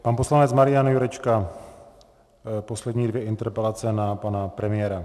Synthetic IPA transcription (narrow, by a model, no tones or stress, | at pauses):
panpo̞slanɛt͡smaɾɪjanjuɾɛt͡ʃka | po̞slɛdɲiːdvjɛʔɪnt̪ɛɾpɛlat͡sɛnapanapɾɛmɪjɛːɾa